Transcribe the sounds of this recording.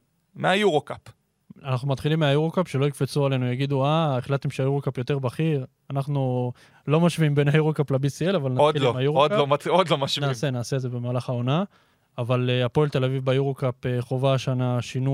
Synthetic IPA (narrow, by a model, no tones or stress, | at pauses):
meajuʁokap | anaχnumat̪χilimːeajuʁokapʃe̞lo̞ikfet͡suale̞nujaɡid̪uaeχlat̪ːemʃeajuʁokapjo̞te̞ʁbaχiʁ | anaχnu | lo̞maʃviimbe̞najuʁokaplabisielavalnaodilmajuʁoodkoaod̪lomaʃvnaːse̞naːse̞dze̞be̞maːlaχao̞naː | valeapo̞elt̪elavivbajuʁokapeχo̞vaʃanaʃinu